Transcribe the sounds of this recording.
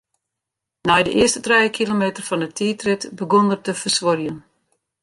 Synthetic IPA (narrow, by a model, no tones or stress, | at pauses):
nɛjdə̰ʔɪəstətrɛjəkʰilomeːtərfɔndətʰiːtrɪtbəɡondərtəfərsʋorjən